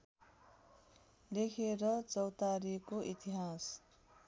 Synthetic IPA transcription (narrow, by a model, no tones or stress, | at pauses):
lekʰeɾʌt͡sʌwt̪aɾikoʔit̪iɦas